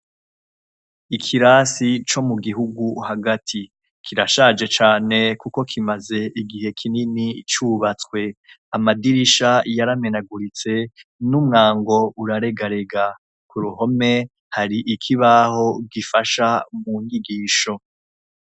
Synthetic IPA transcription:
ikʰiɾaːsit͡ʃo̞muɡiɦuɡuhaɡatʰi | kʰiɾaʃad͡ʒe̞t͡ʃaːne̞kuko̞kʰimaze̞ʔiɡihe̞kʰininit͡ʃuβat͡skwe̞ | amadiɾiʃajaɾame̞naɡuɾit͡se̞numŋaːŋɡo̞uɾaɾe̞ɡaɾe̞ɡa | kuɾuho̞me̞ | haɾiʔikʰiβaho̞ɡifaʃamuŋɡiɡiːʃo̞

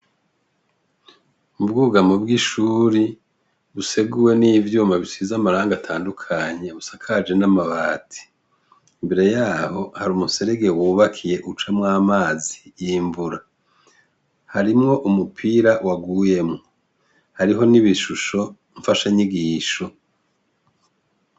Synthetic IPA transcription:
ub̚ɡuːɡamobɡiʃuːɾi | βuse̞ɡuwe̞niːvjuːmaβisizamaɾaːŋɡatʰaːndukʰaɲe̞βusakʰad͡ʒe̞namaβaːtʰi̥ː | mbe̞ɾe̞jaːho̞haɾumuse̞ɾeɡe̞wuːβakʰije̞ʔut͡ʃamŋaːmaːzijiɱvuɾa | haɾimŋo̞ʔumupʰiɾawaɡuje̞mŋo | haɾiɦo̞niβiʃuʃo̞ | ɱfaʃaɲiɡiːʃo̞

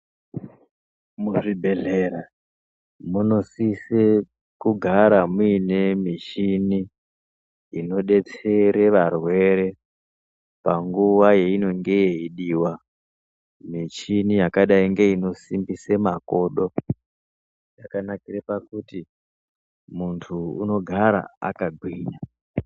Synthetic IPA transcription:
muʐibʱe̞ɮeɾa | muno̞sise | kuɡʱaɾamuine̞mit͡ʃini | ino̞ɗe̞t͡se̞ɾe̞ʋarwe̞ɾe̞ | paŋɡuʋaje̞ino̞ŋɡe̞je̞iɗiːwa | mit͡ʃinijakaɗaiŋɡe̞ino̞simbisemako̞ːɗo̞ | jakanakiɾepakuti | muntʰuuno̞ɡʱaɾa̰a̰kaɡʱwiːɲa

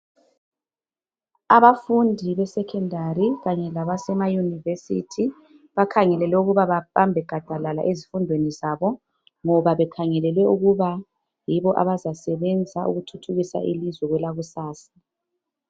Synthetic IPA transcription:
aβafundʱiβɛsɛkʰɛndʱariɣaɲɛlaβasɛmajunivesḭtʰi | βakʰaŋɛlɛlɛuɣuβaβapambʱɛɡ̥ʱad̥ʱalala̰ʔezifundʱwenizaβɔ | ŋɔβaβɛkʰaŋɛlɛlwɛuɣuβa | jiβɔʔa̰βazasɛβɛnd͡zʱaʔṵɣutʰutʰuɣisa̰ʔḭlizwɛɣwɛlaɣusaːsḁ

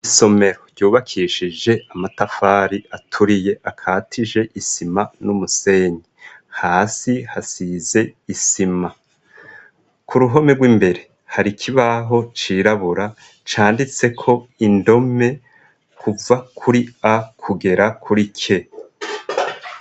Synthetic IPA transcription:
iso̞me̞ɾo̞ɾɟuːβakʰiːʃid͡ʒe̞ʔamatafaːɾiʔatʰuɾije̞ʔakʰaːtʰiʒe̞ʔisimanumuse̞ːɲihaːsihasize̞isima | kʰuɾuɦo̞me̞ɡwimbe̞ɾe̞ | haɾikʰiβaɦo̞t͡ʃiːɾaβuɾa | t͡ʃaːndit͡se̞kʰo̞indo̞me̞ | kʰuvakʰuɾiakʰuɡe̞ɾakʰuɾikʰe̞

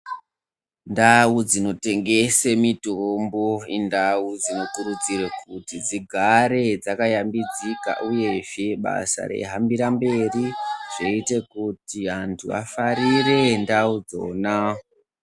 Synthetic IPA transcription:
ndaud͡zino̞te̞ŋɡe̞se̞mitomboindawud͡zino̞kuɾud͡ziɾekutid͡ziɡʱaɾe̞d͡zakajambid͡zika̰ʔuje̞ʐeɓa̰sa̰re̞̰ɦambiɾambe̞riʐ̥eite̞kutiantʰṵa̰faɾire̞ndaud͡zo̞̰ːna

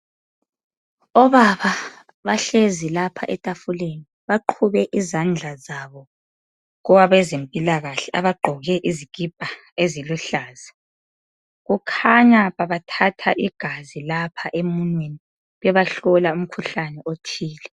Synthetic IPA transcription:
ɔβaβa | βaɬezilapʰa̰ʔɛtʼafuleni | βaǃʰuβɛʔizand͡ɮʱazaβɔ | ɣɔwaβɛzempʼilaɣaɬɛʔaβaɡ͡ǃʱɔɣɛʔiziɡ̥ʱib̥̚ʱa | eziluɬaːza | ɣukʰaɲaβaβatʰatʰaʔiɡ̥ʱazilapʰaʔemunweni | βɛβaɬɔlaum̩kʰuɬanɛʔotʰiːlɛ

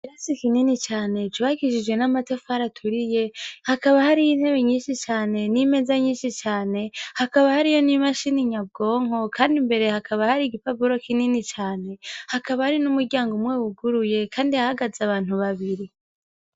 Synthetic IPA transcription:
kiɾasikininit͡ʃaːne̞t͡ʃuβaɡiʃid͡ʒɡwe̞namatofaɾatʰuɾije̞hakaβahaɾijinhe̞βe̞ɲiːnʃit͡ʃaːne̞nime̞zaɲiːnʃit͡ʃaːne̞hakaβahaɾijo̞nimaʃiniɲab̚ɡo̞ːŋo̞kʰaːndimbe̞ɾe̞hakʰaβahaɾiɡipabuɾo̞kininit͡ʃaːne̞hakaβahaɾinumuɾɟaːŋɡomŋwe̞ːwuɡuɾuje̞kʰaːndiahaɡazaβaːn̥huβaβiɾi

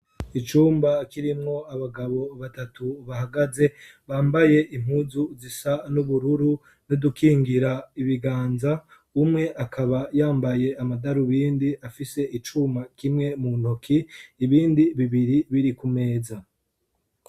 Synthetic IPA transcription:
it͡ʃuːmbakiɾimŋo̞aβaɡaβo̞βatatuβahaɡaze̞ | βaːmbaje̞ʔim̥huːzuzisanuβuɾuɾu | nodukiːŋɡiɾaiβiɡaːnza | umŋe̞ʔakʰaβajaːmbaje̞amadaɾuβiːndiʔafise̞ʔit͡ʃumbakimŋe̞munokʰiːβiːndiβiβiɾiβiɾikume̞ːza

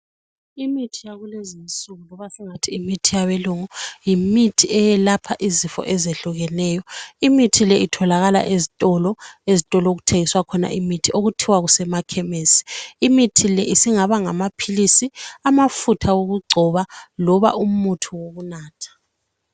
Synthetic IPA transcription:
imitʰijaɣulezinsuɣulɔβasɛŋatʰiːmitʰijaβeluŋujimitʰiɛjɛlapʰaʔizifɔ̰ʔɛzeɬuɣɛnɛjɔimitʰilɛʔitʰɔlaɣala̰ʔezitʼɔlɔezitʼɔlɔoɣutʰeŋiswakʰɔna̰ʔimitʰiʔoɣutʰiwaɣusɛmakʰɛmeːsi̥ːmitʰilɛisiŋaβaŋamapʰilisiamafutʰawoɣuɡ͡ǀʱɔβalɔβa̰ʔum̩utʰuwoɣunaːtʰḁ

